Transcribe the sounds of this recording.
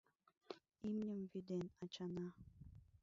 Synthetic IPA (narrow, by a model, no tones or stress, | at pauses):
imɲʲəmvid̪enɑt͡ɕɑnɑ